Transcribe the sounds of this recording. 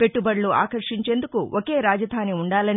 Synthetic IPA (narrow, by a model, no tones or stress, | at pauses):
pe̞ʈːubɐɽlua̰ːkɐɾʂiɲt͡ʃe̞ːnd̪ukuʔoke̞ːɾaːd͡ʒɐd̪ʱaːniuɳɖaːlɐni